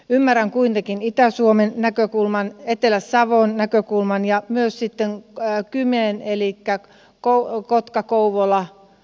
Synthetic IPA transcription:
ymːæræŋkuint̪ekinit̪æsuomennækøkulmɑnet̪elæssɑʋonnækøkulmɑnjɑmyøssit̪ːeŋkymeːnelikːæ | kokot̪kɑkouʋolɑ

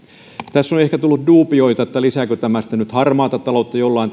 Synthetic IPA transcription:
t̪æsːonehkæt̪ulːut̪duːpioit̪ɑet̪ːælisækøt̪æmæst̪ænyt̪hɑrmɑːt̪ɑt̪t̪ɑlot̪ːɑjolːɑin

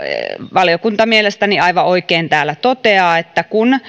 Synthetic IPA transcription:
ʋɑljokunt̪ɑmielest̪æniɑiʋɑoikeːnt̪æːlæt̪ot̪eɑːet̪ːækun

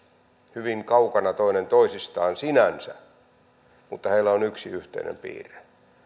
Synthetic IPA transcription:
hyʋiŋkɑukɑnɑt̪oinent̪oisist̪ɑːnsinænsæ̰ | mut̪ːɑheilːˑæonyksiyht̪ḛinḛmpḭːre̥

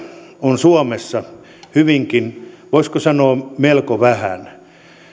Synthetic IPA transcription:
onsuomesːɑ | hyʋiŋkinʋoiskosɑnoːmelkoʋæhæ̰n

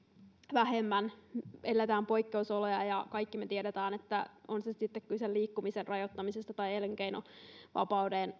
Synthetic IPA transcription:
ʋæɦemːænelːæt̪æːmpo̞ikːeusolojɑjɑkɑikːimet̪iedet̪æːnet̪ːæonsesit̪ːekkylselliːkːumiserrɑjot̪ːɑmisest̪ɑt̪ɑielŋkeino̰ʋɑ̰pɑwdeːn

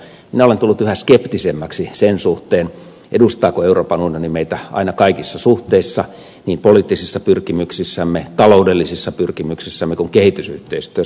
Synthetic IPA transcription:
minæolent̪ulːut̪yhæskept̪isemːæksisensuht̪eːn | ʔḛdust̪ɑːkoeuroːpɑnunjonimeit̪æɑ̰inɑkɑikisːɑsuht̪eisːɑ | niːmpoliːˑt̪ːisisːɑpyrkimyksisːæmːet̪ɑloudelːisisːɑpyrkimyksisːæmːekuŋkehit̪ysyht̪eist̪yø

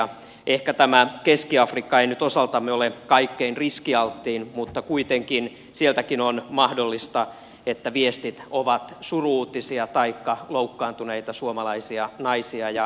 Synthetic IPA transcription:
ʔehkæt̪æmækeskiɑfrikːɑeinyt̪osɑlt̪ɑmːeolekɑikːeinriskiɑlt̪ːiːnmut̪ːɑkuit̪eŋkin | sielt̪ækinonmɑhdolːist̪ɑ | et̪ːæʋiest̪it̪oʋɑt̪suruːt̪isiɑt̪ɑikːɑloukːɑːnt̪uneit̪ɑsuomɑlɑisiɑnɑisiɑjɑ

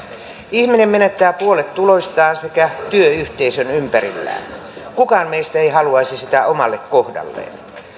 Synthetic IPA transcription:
ihminemmenet̪ːæːpuolet̪ːulo̞ist̪ɑːnsekæt̪yøyht̪eisønympæɾḭlːæ̰ːn | kukɑːnmeist̪æeihɑluɑisisit̪æʔomɑlːekkohdɑ̰lːḛːn

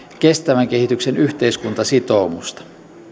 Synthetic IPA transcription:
k̟e̞st̪æʋæŋke̞hit̪yksenyçt̪e̞iskunt̪ɑsit̪o̞mṵst̪ɑ̥

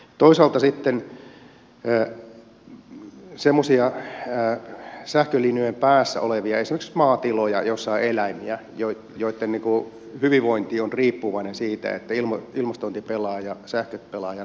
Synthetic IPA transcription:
t̪oisɑːlt̪ɑsit̪ːen | semːosiɑː | sæhkølinyempæːsːæ̰oleʋiɑesimeksmɑːt̪ilojɑ̰josːɑielæimiæ | joi | joit̪ːenniːku | hyʋiʋoint̪iːonriːpːuʋɑinensiːt̪æ̰ḛt̪ːæilmoilmɑst̪ont̪ipelɑːjɑsæhkøt̪̚pelɑːjɑ

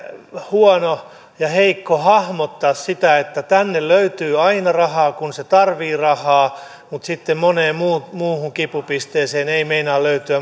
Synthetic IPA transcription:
huɔno | jɑheikːohɑhmot̪ːɑːssit̪æet̪ːæt̪ænːelløyt̪yːɑinɑrɑhɑːkunset̪ɑrʋiːrɑhɑː | mut̪sit̪ːemmoneːmmuːmuːhuŋkipupist̪eːseːneimeinɑːlløyt̪yæ

